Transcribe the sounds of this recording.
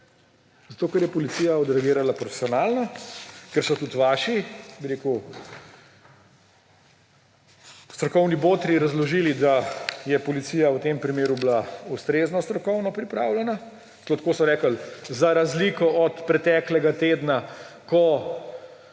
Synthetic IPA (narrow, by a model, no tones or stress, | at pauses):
zat̪oːkɛɾjɛpɔlit̪siːjaɔd̪ɾɛɡeːɾalapɾɔfe̥sijɔnaːlnɔkɛɾsɔt̪ut̪ʋaːʃibiɾeku | st̪ɾɔkɔwniboːt̪ɾiɾɐzlɔʒilid̪ajɛpɔlitsiːjawt̪empɾimeːɾublaust̪ɾeːznɔst̪ɾɔkɔwnɔpɾipɾaːwlʲɛna | slot̪ḁkoːsɔɾɛːkəlzaɾazlikɔɔt̪pɾɛt̪ɛːklɛɡat̪eːd̪nakɔ